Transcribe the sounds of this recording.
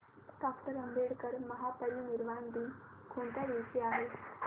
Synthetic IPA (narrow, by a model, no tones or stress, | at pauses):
ʈakʈəɾəmbʱeɽkəɾməɦapəɾiniɾʋand̪ʱi | kʰuɳt̪aʋiʋsiaɦe